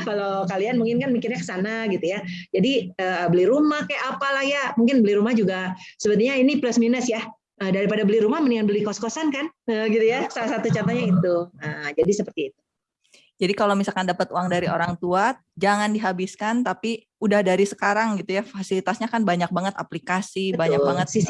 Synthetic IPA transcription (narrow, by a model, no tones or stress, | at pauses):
kalowkalianmuŋkɪnkanmiŋkɪrɲakə̥sanaɡit̪ujad͡ʒadiəbəliɾumahkajaʔapalahjamuŋkɪnbəliɾumahd͡ʒuɡasəbət̪iɲainipləsminəsja | əːdaɾipadabəliɾumahməniŋanbəlikɔskɔsankanəɡit̪ujasalasat̪ut͡ʃat̪aɲait̪uəːd͡ʒadisəpərt̪iːt̪̚u̥ | d͡ʒadikalowmisalkandapət̪uaŋdaɾioɾaŋt̪ua | d͡ʒaŋandiɦabiskant̪api | udahdaɾisə̥kaɾaŋɡit̪ujafasilit̪asɲakanbaɲak̚baŋət̪a̰plikasibaɲabaŋət̪si